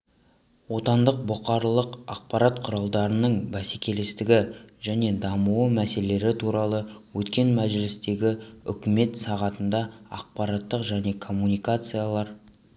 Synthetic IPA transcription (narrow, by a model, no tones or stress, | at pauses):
wo̞t̪ɑnd̪əq̚bʊqɑɾlˠəqɑ̰q̚pɑɾat̪qʰʊɾɑlˠd̪ɑɾənəɴbæsekʲe̞lɪst̪ɪɡʲɪʒæne̞d̪ɑmuwəmæse̞lee̞ɾɪt̪ʰuɾɑlˠəwɵt̪kʲe̞nmæʒɪlɪst̪e̞ɡʲɪʏ̰kʲɪme̞t̪sɑʁɑt̪ənd̪ɑɑ̰q̚pɑɾɑt̪ːəqʒæne̞kʰo̞mːunijkat̪sɨjalˠɑɾ